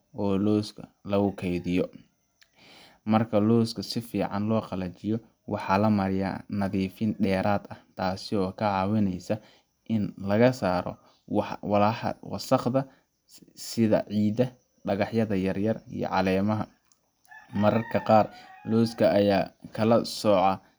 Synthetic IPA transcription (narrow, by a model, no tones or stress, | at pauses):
ʔɔːlɔːskʰɐ̰lɐɣʊkʰɛjðɪjɔ | mɐrkʰɐlɔːskʰɐsɪfiːʕɑnlɔːqɑlɐt͡ʃɪjɔ | wɑħɑlɐmɐɾɪja̰ːnɐðiːfɪnɖɛːɾʔaːd̪ɐht̪ʰaːsɪɔːkʰɐʕɑːwɪnɛjsɐ | ʔɪnlɐɣɐsaːɾɔ̰ | wwɑlaːħɐ̰wɑ̰sɑχd̪ɐ | sɪðɐ̰ʕiːd̪ɐ | ɖɐɣɑħjɐðɐjɐrjɐrḭjɔ̰ʕɑlɛːmɐɦɐ | mɐɾɐrkʰɐqɑːrlɔːskʰɐːjaːkʰɐlɐsɔːʕɑ